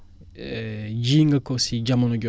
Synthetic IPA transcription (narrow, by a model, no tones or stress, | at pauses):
d͡ʒiːŋɡakɔsid͡ʒamanɔɡɔ